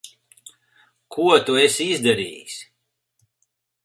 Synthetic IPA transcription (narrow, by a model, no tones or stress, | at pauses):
kʰuɔt̪uesizd̪aɾḭːjs